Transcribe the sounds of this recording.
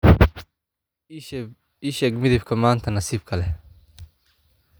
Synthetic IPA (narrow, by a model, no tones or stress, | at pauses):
iːʃɛːɡmɪðɪbkʰɐmaːnt̪ʰɐnɐsiːbkʰɐlɛ